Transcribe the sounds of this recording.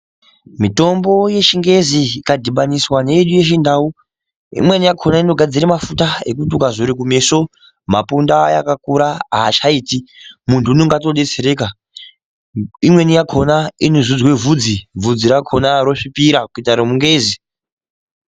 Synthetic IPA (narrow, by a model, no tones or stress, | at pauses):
mito̞mbo̞je̞ʃiŋɡe̞ziːkadʱiɓaniswane̞iɗuje̞ʃindau | ḭmwe̞nijakʰonaino̞ɡʱad͡ziɾemafutaḛkutiukazoɾik̬ume̞so̞ | ma̰pundaja̰kakuɾaaːt͡ʃaiːtimuntʰuːnoŋɡato̞ɗe̞t͡se̞ɾe̞ːka | imwe̞nijakʰo̞nainozud͡zwe̞vud͡zib͡vvud͡ziɾakʰo̞naɾo̞ʂipiɾakuitaɾomuŋɡeːzi